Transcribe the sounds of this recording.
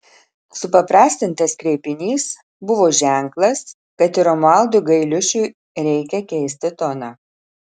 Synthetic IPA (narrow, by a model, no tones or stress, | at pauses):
sʊpɐpɾɑːsʲt̪ʲɪnt̪ɐskɾʲɛːpʲɪnʲiːs | bʊʋoːʒʲæˑŋklˠɐs | kɐt̪ɪɾɔmɑˑlˠd̪ʊɡɐɪlʲʊʃʲʊɪ | ɾʲɛɪkʲɛkʲɛɪsʲt̪ʲɪt̪ɔnɑː